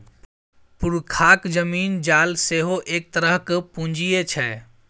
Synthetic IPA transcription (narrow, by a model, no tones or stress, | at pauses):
puɾkʰakd͡ʒəmiːnd͡ʒalseɦoʔeːk̚t̪əɾəɦkpũnd͡ʒiet͡ʃʰɛ